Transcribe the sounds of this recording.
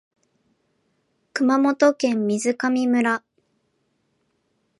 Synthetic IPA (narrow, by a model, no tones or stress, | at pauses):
kɯ̟mamo̞t̪okẽ̞mːʲizɨkamʲimɯ̟ɾa